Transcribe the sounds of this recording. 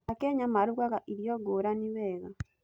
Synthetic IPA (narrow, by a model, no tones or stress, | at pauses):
akɛɲamaɾuɣaɣaʔiɾjɔɡoːɾaniwɛːɣa